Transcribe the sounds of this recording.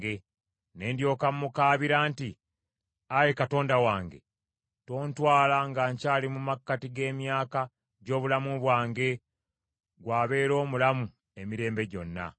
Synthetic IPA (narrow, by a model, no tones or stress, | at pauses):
ɡe̞ | ne̞ːndjo̞ːkamːukaːβiɾaːnti | ajekato̞ːndawaːŋɡe̞̰ | to̞ːntwaːlaŋɡaːɲcaːlimumakːatiɡe̞ːmjaːka | ɟo̞ːβulamuβwaːŋɡe̞ | ɡwaːβe̞ːɾo̞ːmulamu | e̞miɾe̞ːmbe̞ɟo̞nːa̰